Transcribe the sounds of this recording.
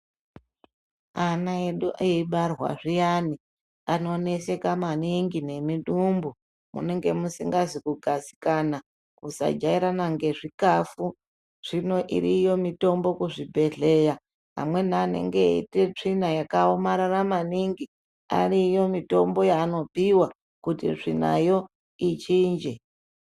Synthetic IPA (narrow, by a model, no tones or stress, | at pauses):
anaeɗuʔeiɓarwa̰ʐijaːni | ano̞ne̞se̞kamaniŋɡine̞miɗumbu | mṵne̞ŋɡe̞musiŋɡazikuɡʱasi̥kana | kusa̰d͡ʒaiɾanaŋɡe̞ʐikafu | ʐ̥ino̞ʔḭɾijo̞mito̞mbo̞kuʐibʱe̞ɮe̞ja | ɦa̰mwe̞n̤aːne̞̰ŋɡe̞ḭte̞t͡ʂinajakaomaɾaramaniŋɡi | a̰rijo̞mito̞mbo̞jaːno̞piwa | kutḭʐina̰jo̞ | it͡ʃiːnd͡ʒe